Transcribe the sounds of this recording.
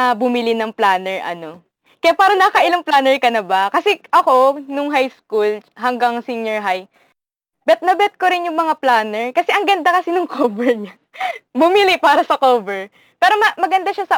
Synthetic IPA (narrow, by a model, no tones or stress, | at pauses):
ɐbʊmɪlɪnɐŋplaːnɛɹʔɐ̰no̞ | kɐjapaːɾɐnɐkɐʔɪlaŋplaːnɛɹkɐnɐbakɐsɛʔɐko̞nʊŋɦajskulɦɐŋɡaŋsiɲɛɹɦaj | bɛt̪̚nɐbɛt̪̚koɾɪnjʊŋmɐŋaplaːnɛɹkɐsɛʔɐŋɡɐnd̪akɐsɪnʊŋkʰoːbɛɹɲa | bʊmilɪpaːɾɐsɐkoːbɛɹ | pɛːɾomɐmɐɡɐnd̪aʃasɐ